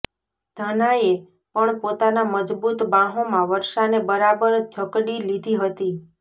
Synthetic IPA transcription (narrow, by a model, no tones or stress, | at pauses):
d̪ʱənaje | pəɳpot̪anaməd͡ʒbut̪bãɦomãʋəɾʃanebəɾabəɾd͡ʒʱəkɽilid̪ʱiɦət̪i